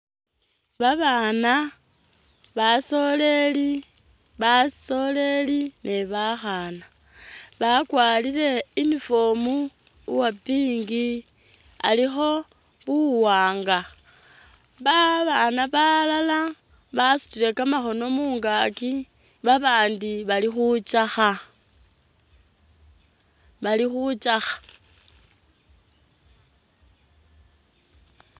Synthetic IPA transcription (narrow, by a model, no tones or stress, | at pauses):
βaβaːna | βaso̞le̞li | βaso̞le̞linʔeβaxana | βakwaːlile̞inifo̞mu | wapiːŋɡi | a̰lixo̞ | βuwaːŋɡa | βaβanaβalala | βasu̥t͡ʃile̞kamaxo̞no̞muːŋɡaki | βaβaːndiβalixut͡ʃaxa | βalixut͡ʃaxḁ